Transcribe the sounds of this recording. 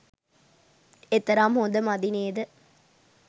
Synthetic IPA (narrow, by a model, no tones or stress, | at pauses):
et̪ːɐɾaːmɦond̪əmɐd̪ineːd̪ɨ